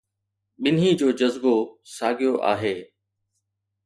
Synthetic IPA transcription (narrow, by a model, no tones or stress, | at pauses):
ɓɪnɦid͡ʑoːd͡ʑɐzbosaːɡʱijoʔa̰ːɦeː